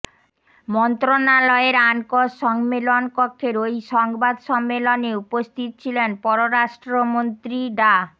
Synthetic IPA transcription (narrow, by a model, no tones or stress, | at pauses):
mɔnt̪ɾonalɔeɾankoʃɔŋmelonkokʰːeɾojʃɔŋbad̪ʃɔmːeloneupost̪ʰit̪̚t͡ɕʰilenpɔɾoɾaʃʈɾomont̪ɾiɖa